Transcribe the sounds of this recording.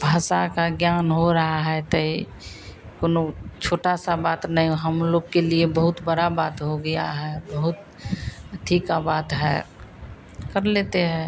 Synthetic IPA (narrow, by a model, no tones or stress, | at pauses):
bʱaːsakaɡjaːnɦoɾəɦaɦɛt̪əi | koːnot͡ʃʰoːʈasabaːt̪nəɦĩɦəmloːɡkeliebəɦʊt̪bəɾabaːt̪ɦoɡəja̰ɦɛbəɦʊt̪ | ʈʰːiːkabaːt̪ɦɛ̰ | kəɾleːt̪eɦɛ̃